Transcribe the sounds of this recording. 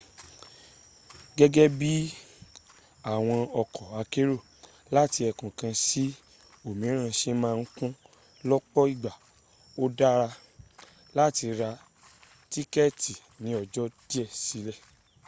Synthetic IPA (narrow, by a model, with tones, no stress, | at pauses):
ɡɛ˦ɡɛ˦bi˦ | a˦˨w̃ɔ̃˧ɔ˧kɔ˨a˧ke˦ɾo˦˨ | la˦ti˧ɛ˨kũ˨kã˧si˦ | o˦˨mĩ˨˦ɾ̃ã˧ʃe˧mãː˦˧n̩˦kũ˦ | lɔ˦k͡pɔ˦i˦˨ɡ͡ba˨ | o˦da˦ɾa˧ | la˦˨ti˧ɾa˧ | ti˦kɛ˦˨ti˨ | nĩ˨˦ɔ˧˨d͡ʒɔ˦d̥i˦ɛ˦˨si˨˦lɛ˦˨